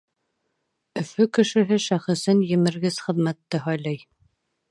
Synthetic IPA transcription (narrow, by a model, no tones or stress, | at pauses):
ɵ̆fɵkɘ̆ʃɘ̆ɦɘʃæχɘ̆sɘnjɘ̆mɘ̆ɾɡɘz̥χɘ̆ðmæt̪ːɘɦɒjlˠɑj